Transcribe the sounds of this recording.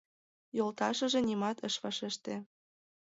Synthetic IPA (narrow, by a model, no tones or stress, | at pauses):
jolt̪ɑʃɤ̆ʒĕnimɑt̪ə̆ʃβɑʃeʃt̪ĕ